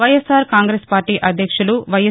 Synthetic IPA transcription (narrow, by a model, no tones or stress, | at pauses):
ɐjesaːɾkaːŋɡɾeːspaːɾʈiːʔɐd̪ʱjɐkʂuluʋɐje